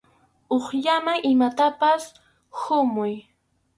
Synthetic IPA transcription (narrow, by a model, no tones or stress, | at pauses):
oχʎamaŋʔɪmat̪apas | hʊmʊj